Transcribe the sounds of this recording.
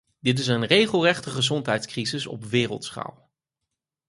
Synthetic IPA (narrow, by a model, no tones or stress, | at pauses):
dɪt̬ɪs̬ənrejχəlˠrɛχtəχəzɔntɦɛjtskrizɪsɔ̰pʋɪːrə̰lˠtsχɑ̰lˠ